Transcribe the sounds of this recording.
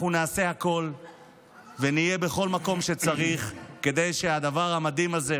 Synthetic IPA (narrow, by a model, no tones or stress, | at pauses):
unaːse̞hako̞l | venije̞be̞χo̞lmako̞mʃe̞t͡saʁiχke̞d̪e̞jʃe̞ad̪avaʁhamad̪imaze